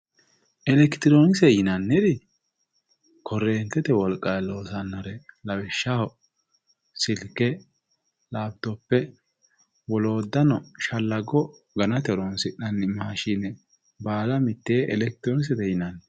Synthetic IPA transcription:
ʔɛlɛkt̪ɪɾo̞ːnɪsɛjɪnɐnːɛd̪ɪ | kʰɔrːeːnt̪ːɛt̪ɛwɔlkʼːɐjlo̞ːsɐnːɐɾɛlɐwɪʃːɐhɔ | sɪlkːɛ | laːb̚d̪ɔpːɛ | wɔlo̞ːd̪ːɐnɔʃɐlːɐɡɔ | ɡɐnɐt̪ɛɾonsɪᶑɐnːɪmaːʃɪnɛ | baːlɐmɪt̪ːeːʔɛlɛk̚t̪ɪɾoːnɪs̬ɛd̪ɛjɪnɐnːɛ

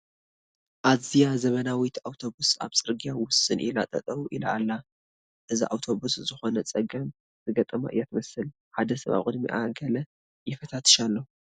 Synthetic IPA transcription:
ʔazijazɐβɐnawit̪awt̪ʰo̞busa̰βsʼɨɾɡijawʊsɨnʔḭlat̪ʼɐ̰t̪ʼɐβuʔilaalːa | ʔɨziʔa̰wt̪ʰo̞βuszɨxo̞nɐt͡sʼɐɡɐm | zɨɡɐt̪ʼɐma̰ʔɨjːat̪ɨmɐsɨl | ħad̪ɐsɐβa̰βkʼɨd̪miʔa̰ɡɐlɐ | jɪfɐt̪ʰat̪ʰɨ̥ʃalːo

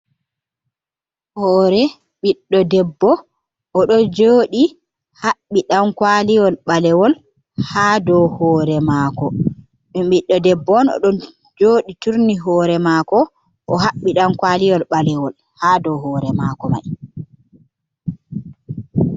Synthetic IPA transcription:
hɔːɾɛ | ɓiɗːɔdɛbːɔ | ʔɔɗɔd͡ʒoːɗi | haɓːiɗamkwalijɔlɓalɛwɔl | hadɔhɔːɾɛmaːkɔ | imɓiɗːɔdɛbːɔnɔ̰ɗɔn | d͡ʒoːɗituɾniɦɔːɾɛmaːkɔ | ʔɔɦaɓːiɗamkwalijɔlɓalɛwɔl | haːdɔhɔːɾɛmakɔma̰j

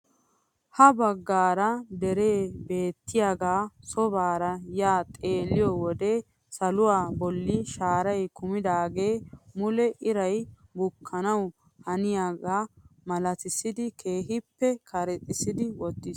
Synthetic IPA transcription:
hɐbɐɡːaːɾɐd̪ɛɾe̞ːbe̞ːt̪ːɪjaːɡaːsɔbaːɾɐjaːt̪ʼeːlːɪjɔwɔd̪eː | sɐlʊwaːbɔlːɪʃaːɾɐjkʊmɪd̪aːɡe̞ːmʊlɛʔɪɾɐjbʊkʰːɐnɐw | hɐnɪjaɡaːmɐlɐt̪ɪsɪd̪ɪkʰe̞ːɦɪpːɛkʰɐɾɛt̪ʼːɪsɪd̪ɪwɔt̪ːɪs

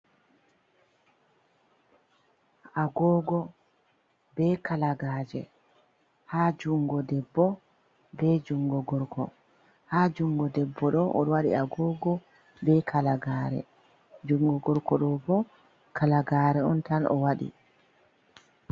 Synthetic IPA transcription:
ʔaɡɔːɡɔ | bɛkalaɡaːd͡ʒɛ̰ | haːd͡ʒuŋɡɔdɛbːɔ | bɛd͡ʒuŋɡɔɡɔɾkʰɔ̰ | haːd͡ʒuŋɡɔdɛbːɔɗɔʔɔ̰ɗwaɗḭaɡɔɡɔ | bɛkʰalaɡaːɾɛ̰ | d͡ʒuŋɡɔɡɔɾkɔɗɔbɔ | kalaɡaːɾɛɔ̰ntanʔɔ̰waɗḭ

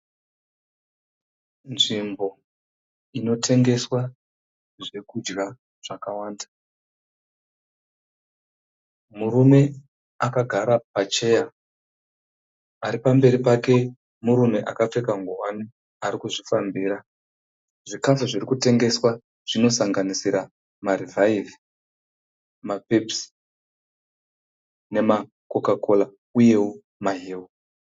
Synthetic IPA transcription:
nʐimbo̞ | ino̞tʰe̞ŋɡe̞swa | ʐe̞kud͡ʒɡa | ʐ̥akawaːnda | muɾume̞ | akaɡʱaɾapat͡ʃe̞ːja | aɾipambe̞ɾipake̞ | muɾume̞ʔakap͡fe̞kaŋɡowani | aɾikuʐifambiːɾa | ʐikafuʐirikute̞ŋɡe̞swa | ʐ̥ino̞saŋɡanisiɾa | marivʱaivi | mapeps | ne̞ma | ko̞kakʰo̞la | uje̞wo | maɦeːu

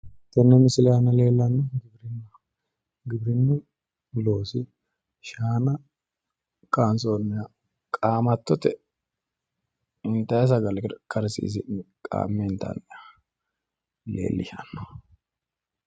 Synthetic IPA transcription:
t̪ːɛnːɛmɪsɪlɛjɐnːɐle̞ːlːɐnːɔɡɪbɾɪnːɐ | ɡɪbɾɪnːɛ | lo̞ːsɪ | ʃaːnɐ | kʼaːnsoːnːɪja | kʼaːmɐt̪ːɔt̪ɛ | ɪnt̪ːɐjɛs̬ɐɡɐlɪkɐɾsḭːsɪkʼa̰ːmːɛɪnt̪ːɐ̰nɪa | lḛːlːɪ̰ʃɐ̰nːɔ̥

